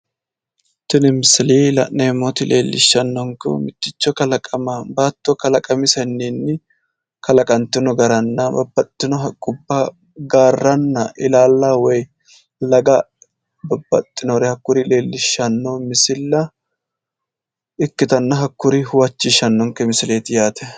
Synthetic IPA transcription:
t̪ɪnɪmɪsɪliːlɐ̰ʔneːmːot̪ɪlʔe̞̰ːlːɪ̰ʃːɐnːɔŋkɛ̰mɪt̪ːɪt͡ʃːɔkɐlɐkʼɐmɐbaːt̪ːɔkɐlɐkʼɐmɪsɛnːiːnːɪ | kɐlɐkʼɐnt̪ːɪnɔɡɐɾɐnːɐbɐ̰bːɐt̪ʼːɪnɔɦɐkʼːʊbːa | ɡaːrːɐnːɐʔɪlaːlːaːwɔj | lɐɡɐ | bɐbːɐ̰t̪ʼːɪnɔɾɛhɐkːʊɾile̞ːlːɪʃːɐnːomɪsɪlːɐ | ɪkːɪt̪ɐnːɐɦɐkːʊɾihʊwɐt͡ʃːɪʃːɐnːɔŋkɛmɪsɪleːt̪ɪjaːt̪ɛ

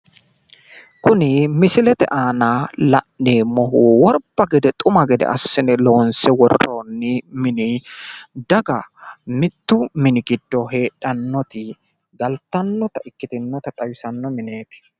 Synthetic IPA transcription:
kʊnɪmɪsɪlɛt̪ɛ̰ʔaːnaːlɐʔneːmɔɦuwɔɾb̥ɐɡɛd̪ɛt̪ʼʊmɐɡɛd̪ɛ̰ʔɐ̰sːɪnɛloːnsɛwɔroːnːɪmɪnɪ | d̪ɐɡɐmɪt̪ːʊmɪnɪɡɪd̪ːɔɦe̞ːᶑɐnːɔt̪ɪ | ɡɐlt̪ːɐnːɔt̪ɐʔɪkːɪt̪ɪnːɔt̪ɐt̪ʼɐjsɐnːɔmɪne̞ːt̪ɛ̥

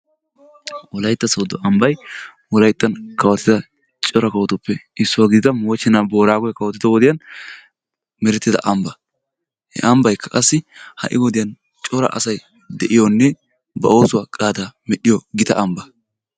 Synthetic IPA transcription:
wɔlɐjt̪ːɐsɔwd̪ɔʔɐmbɐj | wɔlɐjt̪ːɐnkɐwɐt̪ːɪd̪ɐ | t͡ʃʼɔɾɐkɐwɐt̪ʊpːɛɪsːʊwaːɡɪd̪ɪd̪ɐmɔt͡ʃːɪnaːbo̞ːɾaːɡɔjkɐwɐt̪ːɪd̪ɔwɔd̪ɪjɐn | mɛɾɛt̪ːɪd̪ɐ̰ʔɐmbɐ | hɛ̰ʔɐmbɐjkːɐ̥kʼɐsːɪhɐ̰ʔɪwɔd̪ɪjɐn | t͡ʃʼɔɾɐ̰ʔɐ̰sɐj | d̪ɛʔɪjɔnːɛ | bɐʔo̞ːsʊwaːkʼaːd̪aːmɛɗɪjɔɡɪt̪ɐʔɐmbɐ

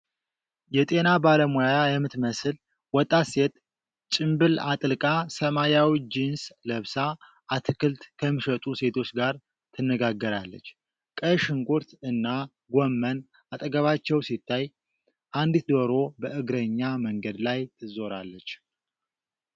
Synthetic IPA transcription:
jɛt̪ʼe̞nabaləmojajɛmɨt̪məsɨl | wɔt̪ʼːase̞t̪ʼ | t͡ʃʼɨmbɨlat̪ʼɨlɨkʼasəmajawid͡ʒinsləβsa | ʔat̪ʰɨkʰɨlt̪kʰəmːɨʃət̪ʼuse̞t̪ʰo̞t͡ʃɡaɾ | t̪ʰɨnːəɡaɡːəɾalːə̰t͡ʃː | kʼəʃɨŋkʷʼuɾt̪ɨnːa | ɡʷomːən | at̪ʼəɡəβat͡ʃːɛwsit̪ʰːaj | ʔand̪it̪d̪oɾo̞bəʔɨɡɾəɲːaməŋɡəd̪lajt̪ʰɨzo̞ɾa̰lːət͡ʃː

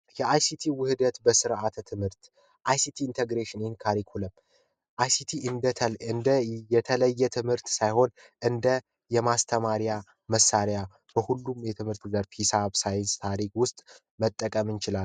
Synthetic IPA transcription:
jɛʔajsit̪ʰiwʊhɨd̪ət̪bəsɨɾʔat̪ʰt̪ʰɨmhɨɾt̪ | ʔajsit̪ʰiːnt̪ʰeɡɾeʃɪnhnkʰaɾikʰuləm | ʔajsit̪ʰiɨnd̪ət̪ʰəlɨnd̪əjɛt̪ʰələjːɛt̪ʰɨmhɨɾt̪sajho̞n | ʔɨnd̪ə | jɛmast̪ʰəmaɾja | məsːaɾja | b̥əhulːumjɛt̪ʰɨmhɨɾt̪ɨɡd̪əɾpʰisaβsajɪnst̪ʰaɾikwʊst̪ʼ | mət̪ʼːəkʼəmɨnt͡ʃɪlal

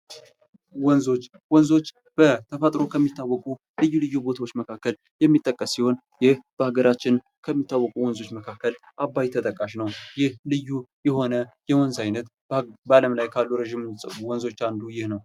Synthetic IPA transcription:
wɔnzo̞t͡ʃː | wɔnzo̞t͡ʃː | b̥ət̪ʰəfət̪ʼɾo̞kʰəmːit̪ːawːɔkʼu | lɨjːulɨjːubo̞t̪ʰawot͡ʃːməkʰakːəl | jɛmːit̪ʼːəkʼːəsːiho̞n | jɪhb̥əhaɡəɾat͡ʃːɪn | kʰəmːit̪ʰːawːɔkʼuwɔnzo̞t͡ʃːməkʰakːəl | ʔabːajt̪ʰət̪ʼəkʼːaʃnəwjɪhlɨjːujɛho̞nəjɛwɔnzajnət̪ | bəaləmlajkʰalːuɾəʒimɨsʼəβuwɔnzo̞t͡ʃːand̪ujɪhnəw

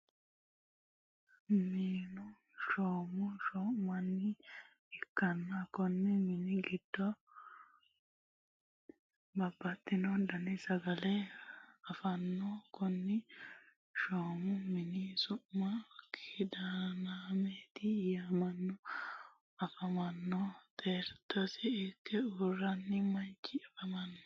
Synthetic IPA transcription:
miːnʊ | ʃoːmʊʃɔʔmɐnːɪ | ɪkːɐnːɐkɔnːɪmɪnɪɡɪd̪̥ːɔ | bɐbːɐt̪ːɪnɔd̪ɐnɪsɐɡɐlɛɐfɐnːɔkʊnːɪ | ʃoːmʊmɪnɪsʊmːɐkʰɪd̪anameːt̪ɪjamɐnːɔ | ɐfɐmɐnːɔt̪ʰeːɾt̪ɔsɪɪkːɛurːɐnːɪmɐnt͡ʃːɪɐfɐmɐnːɔ̥

